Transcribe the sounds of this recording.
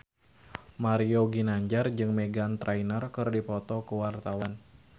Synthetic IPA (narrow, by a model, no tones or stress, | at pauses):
maɾioɡinaɲd͡ʒard͡ʒɨŋmeɡant̪ɾʔainərkɨrdipɔt̪ɔkəwart̪awan